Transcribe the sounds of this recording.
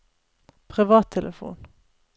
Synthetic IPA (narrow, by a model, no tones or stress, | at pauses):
pʰʁɪʋɑːt̪ʰɛlʔəfṵːn